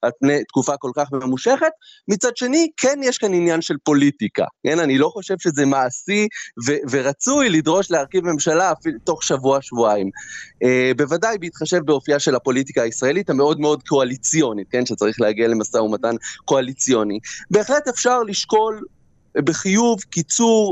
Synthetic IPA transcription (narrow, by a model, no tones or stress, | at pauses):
apnejt̪kufako̞lkaχmmuʃe̞χe̞t̪mit͡sadʃe̞nikʰenjeʃkaninjanʃelpo̞litika̰ke̞nanilo̞χo̞ʃe̞vʃe̞zemaːsiveve̞ʁat͡sujlidʁo̞ʃleaʁkivme̞mʃalaːfito̞χʃavuaʃvuaimebe̞vadajbiːt̪χaʃe̞vbeo̞fiaʃe̞lapo̞lit̬ikaːisʁae̞lithame̞o̞dme̞o̞dkʰo̞alit͡sijo̞nit̚ke̞nʃet͡saʁiχlehaɡiale̞masaumatanko̞alit͡sijo̞nibe̞ːχle̞tefʃaʁliʃko̞l | beχijuvkit͡suʁ